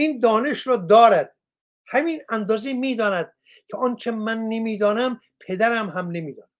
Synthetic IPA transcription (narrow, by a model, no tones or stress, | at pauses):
iːnd̪ɒːneʃɾɒːd̪ɒːɾæd̪̥̚ | hæmiːnænd̪ɒːzimiːd̪ɒːnæd̪̥ | cʰeɒnt͡ʃʰemænːemiːd̪ɒːnæm | pʰe̞d̪æɾæmɦæmnemiːd̪ɒːnæ̥